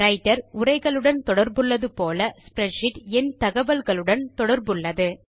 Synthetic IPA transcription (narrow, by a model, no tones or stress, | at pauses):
ɾɐɪʈːɐɾʊrɐɪɣɐɭɯɽɐnt̪ɔɽɐɾbɯɭːɐðɯpoːlɐspɾɛʂɪʈɛnt̪ɐɣɐʋɐlɣɐɭɯɽɐnt̪ɔɽɐɾbɯɭːɐðɯ